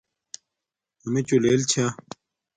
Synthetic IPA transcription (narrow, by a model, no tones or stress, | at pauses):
ɐmet͡ɕuleːlt͡ɕʰa